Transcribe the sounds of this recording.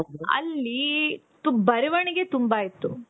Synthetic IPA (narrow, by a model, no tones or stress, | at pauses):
ɐ̰lːit̪ubɐɾɐʋɐɳiɡe̞t̪umbait̪ːu